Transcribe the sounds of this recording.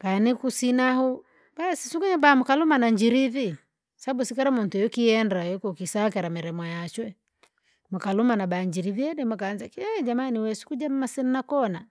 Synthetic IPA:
kanikusinahu | basisuɡuɲɛbamukalumanaɲd͡ʒiɾivi | saabusikaɾamuntujɔkiɛndajɔkukisakɛɾamɛɾɛmajat͡ʃwɛ | mukalumanabaːɲd͡ʒiɾiviɛɗɛmukanzakiɛd͡ʒamaniwɛsu̥kud͡ʒam̩mːasɛnnakɔna

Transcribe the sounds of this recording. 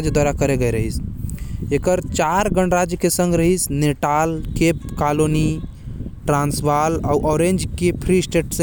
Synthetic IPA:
d͡ʒjəd̪waɾakəɾeɡəjɾəɦis | ekəɾt͡ʃaɾɡəɳɾad͡ʒjəkesə̃ŋɡɾəɦisneʈalkepkaloni | ʈɾãnsʋalauʔɔɾẽnd͡ʒkepʰɾisʈeʈsẽ

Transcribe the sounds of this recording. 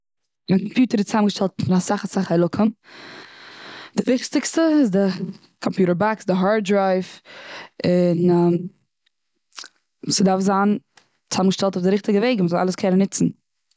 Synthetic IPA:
ankɔmpjuːtəɾɪt͡samɡəʃtɛlˠtmɪnasaχəsaχhalˠʊkʰəm | dɪvɪχtɪkstəɪzdɪ | kʰɔmpjuːɾəɹbaksdɪɦaɹ̚dɹaɪf | ɪn | usɪdaɾfzaːn | t͡samɡəʃtɛlˠtʊfdɪɾɪχtɪɡəveɪɡməzɔlˠa̰lˠəskʰɛnənɪt͡sn̩

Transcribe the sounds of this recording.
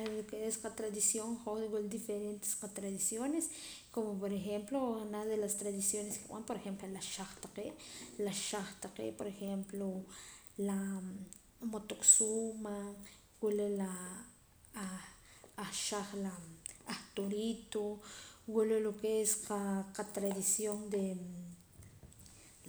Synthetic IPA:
lokeesqat̪ɾad̪isjoŋχoɣuld̪ifeɾent̪e̥sqat̪ɾaðisjoneskomopoɾexemploanaχd̪elast̪ɾaðisjoneskeɓ̰ampoɾexemplolaʃaχt̪aqeʔlaʃaχt̪aqḛʔpoɾexemplo | la | mot̪oksuma | wulela | χʃaχlaːχt̪oɾit̪owulelokeesqaqat̪ɾaðisjond̪e

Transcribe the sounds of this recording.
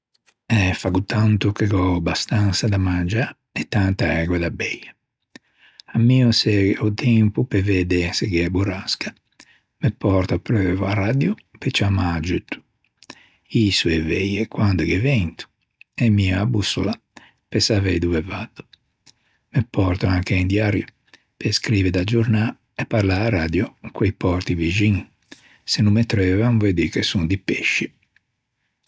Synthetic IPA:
ɛfaɡut̪ʰːant̪ukeɡɔbast̪ansad̪amand͡ʒa | ɛt̪ːant̪aɛːɡwɛd̪abɛjːa | amːiɔsɛut̪ʰɛmpupɛvɛd̪ɛsɛɡɛbuɾaska | mɛpːɔɾt̪apɾøːvuarad̪jupɛt͡ʃamad͡ʒut̪ːu̥ | isuɛvɛjɛkwand̪ukɛvɛnt̪u̥ | ɛmːiaːbusːula | pɛsavɛjd̪uvɛvad̪ːu | mɛpːɔɾt̪ɔnakɛind̪jaɾju | pɛskɾiːvɛd̪ad͡ʒuɾna | ɛpːaɾlaːɾad̪jɔkʰwejpɔɾt̪ivid͡ʒiŋ | senːumːɛt̪ːɾɛvanvɛd̪ikɛsund̪ipeʃːi

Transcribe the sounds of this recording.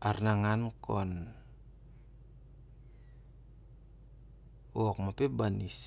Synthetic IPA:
ʔarnaŋankɔn | wɔk̚mapebanis

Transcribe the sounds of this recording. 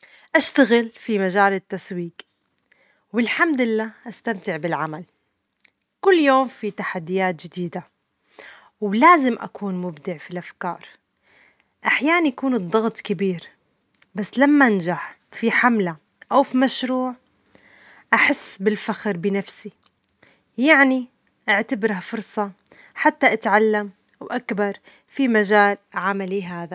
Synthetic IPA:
ʔaʃt̪aɣɪlfimaʒaːlɪt̪ːaswiːk | wɪlħamd̪ɪlːaːʔast̪amt̪ɪʕbɪlʕamal | kʊlːjoːmfit̪aħad̪ːɪjaːt̪ʒɪd̪iːd̪a | wlaːzɪmʔa̰kuːnmʊbd̪ɪʕfilʔafkɑ̰ːɾˤ | ʔaħjaːʔanjakuːnɨd̪ˤːɑɣt̪ˤkɪbiːɾ | basːlamːaʔnd͡ʒaħ | fiħamla | ʔawfimaʃɾuːʕ | ʔaħɪsːbɪlfaxɾbɪnafsi | jaʕni | ʔaʕt̪abɾafʊɾsˤɑ | ħat̪ːaʔat̪ʕalːam | wʔakbɑɾˤ | fimaʒaːlʕamaliɦaːða

